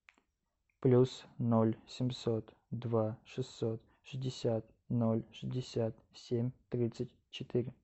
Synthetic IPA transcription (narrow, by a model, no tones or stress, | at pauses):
plʲusnolʲsʲɪmʲso̞t̪ | d̪vaʂɨsːot̪ | ʂɨzʲdʲɪsʲat̪̚ | nolʲʂɨzʲdʲɪsʲat̪sʲemʲt̪ɾʲit̪sɨtʲ | t͡ɕɪt̪iɾʲɪ